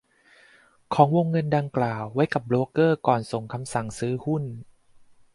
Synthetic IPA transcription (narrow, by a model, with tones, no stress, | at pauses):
kʰɔː˩˦ŋwo˧ŋːɤ˧nda˧ŋklaː˨˩wːa˦˥jka˨˩p̚bloː˧kɤː˥˩kɔː˨˩nso˨˩ŋkʰa˧msa˨˩ŋsɯː˦˥hu˥˩n